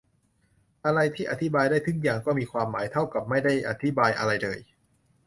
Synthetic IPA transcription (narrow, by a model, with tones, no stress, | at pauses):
ʔa˧ɾa˧jt̪ʰiː˥˩ʔa˨˩t̪ʰi˦˥baː˧jdaː˥˩jt̪ʰɯ˩˦˥ŋjaː˨˩ŋkɔː˥˩miː˧kʰwaː˧mːaː˩˦jt̪ʰa˥˩wka˨˩p̚ma˥˩jda˥˩jʔa̰˨˧t̪ʰi˦˥baː˧jʔa̰˧ɾa˧jlɤː˧j